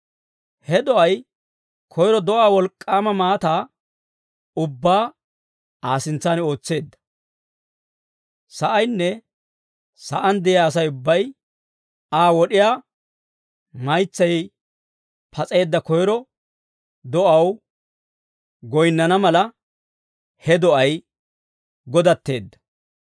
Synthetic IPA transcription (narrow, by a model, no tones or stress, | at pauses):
hɛd̪ɔʔɐj | kʰɔjɾɔd̪ɔʔaːwɔlkʼːaːmɐmaːt̪aː | ʊbːaː | aːsɪnt͡sːaːno̞ːt͡sːe̞ːd̪ːɐ̥ | sɐʔɐjnːɛ | sɐ̰ʔɐnd̪ɛjɪaːs̬ɐjʊbːɐj | aːwɔɗɪjaː | mɐjt͡sːɐj | pʰɐt͡sʼe̞ːd̪ːɐkɔjɾɔ | d̪ɔʔɐw | ɡɔjnːɐnɐmɐlɐ | hɛd̪ɔʔɐj | ɡɔd̪ɐt̪ːe̞ːd̪ːɐ̥